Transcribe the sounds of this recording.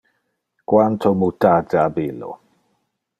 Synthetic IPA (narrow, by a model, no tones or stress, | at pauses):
kwant̪ʰomut̪adaabilo̰